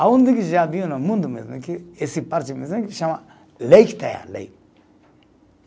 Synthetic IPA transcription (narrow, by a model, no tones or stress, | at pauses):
awund̪ikiʒadijonamund̪umḛznakiesipaɾt͡ʃimeakiʃama | leiki̥t̪aja̰la̰i